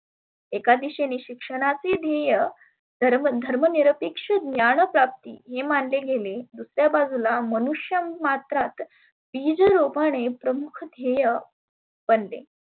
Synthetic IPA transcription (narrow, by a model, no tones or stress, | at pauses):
ekad̪iɕeniɕikʂəɽ̃at͡sed̪ʱejə | əd̪ʱəɾməniɾəpikʂəd̪njaɳ̃əpɾap̚t̪ḭːɦemanleɡʱeled̪usɾjabad͡zʱulamənuʂjəmat̪ɾat̪ | b̥id͡zəɾopaɽ̃epɾəmukʰd̪ʱejə | b̥ənlḛ